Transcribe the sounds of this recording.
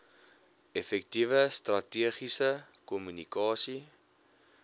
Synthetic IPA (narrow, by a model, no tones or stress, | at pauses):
ɛfɛk̚tivəst̪rɐtiəχisəkɔmynikɑːsi